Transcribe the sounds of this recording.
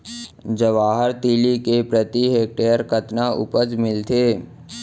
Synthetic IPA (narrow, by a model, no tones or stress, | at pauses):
d͡ʒəʋaːɦəɾt̪iːlikepɾət̪iɦeːk̚ʈeːjəɾkət̪naʔʊ̰pəsmɪlt̪eː